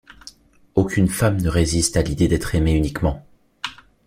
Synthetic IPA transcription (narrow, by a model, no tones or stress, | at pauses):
okʲynfamnəʁezist̪alid̪ed̪ɛt̪χemeynikmɑ̃